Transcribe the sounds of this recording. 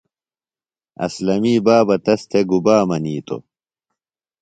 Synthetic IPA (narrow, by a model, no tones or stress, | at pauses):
ɐ̰slɐmiːbaːbɐt̪ɐst̪ʰeɡubaːmɐniːt̪o̰